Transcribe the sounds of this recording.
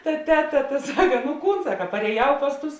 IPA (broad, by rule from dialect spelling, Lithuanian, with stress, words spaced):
tɐ ˈtʲæːˌtɐ tɐ ˈsɑːkɐ nʊ ˈkuːn ˈsɑːkɐ pɐrʲeːˈjɛʊ ˈpɐs ˌtʊs